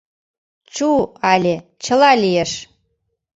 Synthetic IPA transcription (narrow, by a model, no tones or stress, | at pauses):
t͡ɕuɑlʲe | t͡ɕəlɑlijeʃ